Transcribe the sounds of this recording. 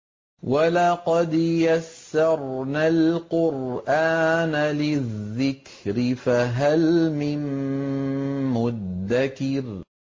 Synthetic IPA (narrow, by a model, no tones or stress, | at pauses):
walɑqɑd̪jasːɑɾˤnalqʊɾʔaːnalɪðːɪk | ɾɪfaɦalmɪn | mʊðːakɪɾ